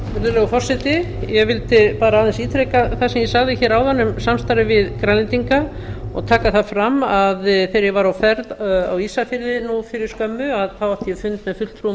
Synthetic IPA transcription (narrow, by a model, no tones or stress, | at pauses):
vɛɾðʏlɛːɣʏfɔr̥sɛt̪ɪjɛɣvɪlt̪ɪpaːɾaaːðɛnsiːt̪ʰɾɛkaθasɛmjɛsaɣðɪçɛːɾawðanːʏmsamst̪aɾɪvɪðkɾanlɪnt̪iŋka | ɔ̰ɣt̪ʰaːkaθafɾamːaðθejɾjɛvaɾawfɛɾða̰wisafɪɾðɪnufɪɾɪɾ̥skœmːʏaðθawaft̪jɛfʏnt̪mɛðfʏl̥t̪ʰɾu